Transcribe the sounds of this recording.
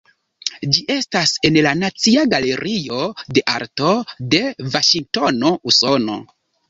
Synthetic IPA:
d͡ʒiʔe̞stase̞nlanat͡siaɡale̞ɾʔio̞de̞ʔa̰ɾto̞de̞vaʃiŋk̚to̞no̞uso̞no̞̰

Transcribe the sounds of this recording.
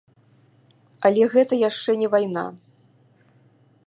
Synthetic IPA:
ɐlʲɛɣɛt̪ɐjaʂt͡ʂɛnʲɛvajna̰

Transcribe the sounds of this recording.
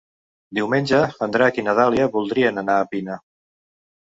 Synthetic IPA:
d̪iwmenʲd͡ʒəənd̪ɾakinəðaliəβulˠd̪ɾiənənaːpinə

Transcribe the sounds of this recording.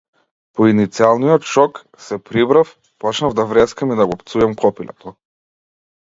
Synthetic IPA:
pɔinit̪sialˠnijɔt̪ʃɔk | sɛpɾibɾaf | pɔt͡ʃnavd̪avɾɛskamid̪aɡɔpt̪suɛmkɔpilɛ̰t̪ɔ

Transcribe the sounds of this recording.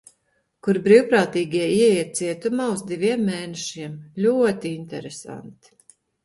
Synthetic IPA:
kuɾbɾiwpɾaːt̪iːɡʲiɛiɛiɛt̪̚siɛt̪umaːuzd̪iviɛmːeːneʃiɛmlʲuɔt̪iint̪ɛɾesa̰nt̪i̥

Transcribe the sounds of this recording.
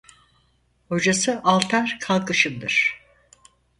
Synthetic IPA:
ho̞d͡ʒasɯʔalˠt̪ʰaɾkʰalˠkɯʃɯmd̪ɯɾ̥

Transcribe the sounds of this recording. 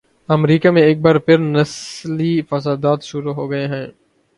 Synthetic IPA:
ɐmɾiːkamẽeːk̚baːɾpʰɪɾnɐslifɐsaːd̪aːt̪ʃʊɾuɦoːɡɐeɦɛ̃ː

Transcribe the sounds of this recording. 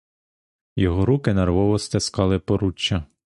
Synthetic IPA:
jɔɦɔɾukɪnɛrʋɔʋɔst̪ɪskɑlˠɪpɔɾut͡ʃːɐ

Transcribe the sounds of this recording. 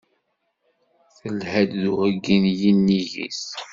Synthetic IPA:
θəlhæd̪ðuʁəɡːinjinːiʝḭs

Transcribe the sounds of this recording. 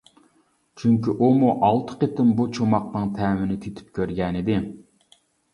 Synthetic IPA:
t͡ʃʰyŋkʲiʔumuʔɑlˠt̪ʰə̥qet̪ɪmbut͡ʃʰomɑqnɨŋt̪ʰɛːmɪnɪt̪ʰit̪ʰy̥p̚kʲøɾɡʲɛnɪd̪ɪ

